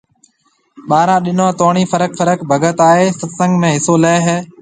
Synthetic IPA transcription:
ɓaːɾãːɗɪnãːt̪oːɳ̃iːfəɾək̚fəɾəkbʱəɡət̪aːɦeːsəd̪sə̃ŋɡmẽːɦɪsoːləːɪɦɛː

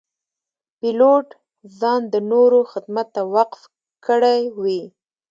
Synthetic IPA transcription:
piloʈ | zɑnd̪ənoɾoxɪd̪mat̪ːawaqf | kəɽajwi

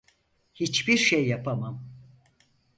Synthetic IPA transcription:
hit͡ʃbiɾʃejːapʰamam

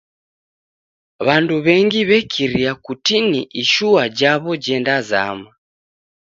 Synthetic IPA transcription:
βanduβɛŋɡiβɛkʰiɾiakutiniʔiʃuad͡ʒaβɔd͡ʒɛndaza̰ma

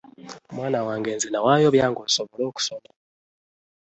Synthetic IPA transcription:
mwaːnawaːŋɡeːnzinawajoβjaːŋɡosoβɔloːku̥sona

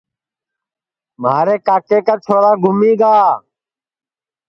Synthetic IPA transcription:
maːɾeːkaːkeːkaːt͡ʃʰoːɾaːɡʱʊmiːɡaː

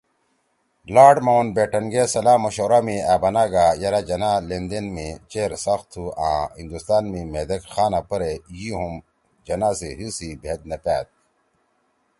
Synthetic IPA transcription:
laːɖmɐwɐnbeːʈɐnɡesɐlaːmɐɕoːɾaːmiaːbɐnaːɡajɐɾad͡ʑɐnalend̪enmĩt͡ɕeːɾsɐxt̪ʰuã̰ːhĩnd̪ust̪aːnmĩmeːd̪ekxaːnapɐɾejiɦum | d͡ʑɐnaːsiɦisibʱeːt̪̚nɐpæ̰ːt̪̚

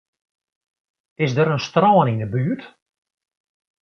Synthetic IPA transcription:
ɪsdəɾənstrɔːənindəbyːt

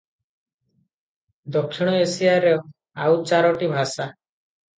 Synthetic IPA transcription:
d̪ɔkʃiɽ̃ɔesiaɾɔ | aut͡ʃaɾɔʈibʱasa

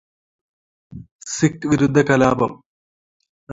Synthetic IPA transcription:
sikːʋiɾud̪ʱːɐkɐlaːbɐm

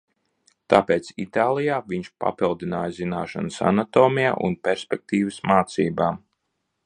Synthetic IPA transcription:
t̪aːpeːt̪sḭt̪aːlˠijaːviɲʃpa̰pilˠd̪inaːjzinaːʃa̰nsa̰nat̪oːmija̰ːʔṵnpʲɛɾspʲɛk̚t̪iːvɨsmaːt̪siːbaːm

